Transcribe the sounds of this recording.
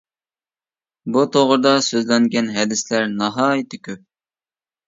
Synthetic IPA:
but̪ʰoʁɾd̪ɑsøzlɛŋɡʲɛnɦɛd̪ɪslæɾnɑɦɑːjit̪ʰɪkʲʰøp̚

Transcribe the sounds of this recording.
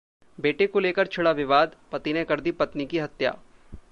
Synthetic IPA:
beːʈekoleːkəɾt͡ʃʰɪɽaʋɪʋaːd̪pɐt̪inekɐɾd̪ipɐt̪nikiɦɐt̪ja̰ː

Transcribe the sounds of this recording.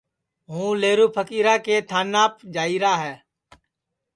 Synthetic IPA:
ɦũːleːɾuːpʰəkiːɾaːkeːt̪ʰaːnːaːpd͡ʒaːiːɾaːɦɛː

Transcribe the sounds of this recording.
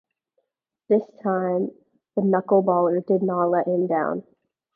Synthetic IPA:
ðɪstʰãɪ̃m | ðɨnʌkl̩ˠbɔlˠə˞dɨdⁿnətˡlɛt̚hɨ̃mdãʊ̃n

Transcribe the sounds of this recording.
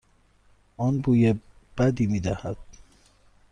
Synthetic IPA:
ʔɔːnbuːje | b̥æd̪iːmiːd̪æhæd̪̥̚

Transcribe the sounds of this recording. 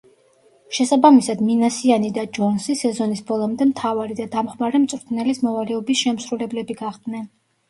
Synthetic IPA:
ʃɛsabamisad̪minasianid̪ad͡ʒɔnsisɛzɔnisbɔlˠɔmd̪ɛmt̪ʰavaɾid̪ad̪amχmaɾɛmt̪sʼɾt̪ʰnɛlismɔvalɛɔbisʃɛmsɾulɛblɛbiɡaχd̪nɛn

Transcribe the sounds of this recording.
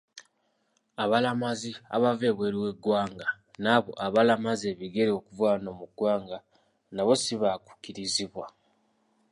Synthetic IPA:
aβalamazia̰βave̞ːβwe̞ːɾiwe̞ɡwaːŋɡa | naːβo̞̰ʔaβalamazeβiɡe̞ɾeo̞kuvwaːno̞ːmuɡwaːŋɡa | naβo̞siβaku̥kiɾiziβwa

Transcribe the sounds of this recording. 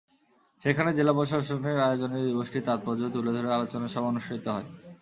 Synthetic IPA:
ʃekʰaned͡ʑelaboʃ̬aʃoneɾaeod͡ʑonid̪iboʃʈit̪at̪̚pɔd͡ʑot̪uled̪ʱoɾealot͡ɕonaʃɔbʱonuʃɾit̪oɦɔe

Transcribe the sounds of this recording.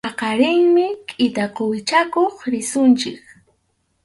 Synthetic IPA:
ɑqɑɾɪŋmɪkʼɪt̪aqowɪt͡ʃakoχɾɪsʊnt͡ʃɪk

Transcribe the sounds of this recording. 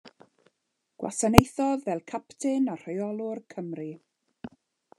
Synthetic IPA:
ɡ̥wa̰sanejθɔðvɛlˠkʰaptʰɪnar̥ɔjɔlˠʊrkʰəmri

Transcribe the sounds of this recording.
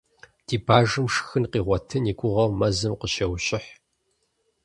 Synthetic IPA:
d̥iːbaːʐɨmʂxɨnqiːʁʷɔtʰɨniːkʷʼʊʁɐwmɐzɨmqəɕɐwɕʼɪħ

